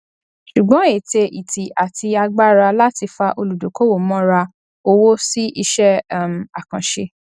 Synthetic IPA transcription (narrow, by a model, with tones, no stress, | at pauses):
ʃu˨ɡ͡bɔ̃˨˦e˨te˧ʔi˨ti˨ʔa˨tʰi˧a˧ɡ͡ba˦ɾa˧la˦ti˧fa˧ʔo˧lu˨do˨ko˦wo˦˨˦mɔ̃˦ɾa˧ | o˧wo˦si˦ʔi˧ʃɛ˦˨˦m˨a˨kã˨ʃe˧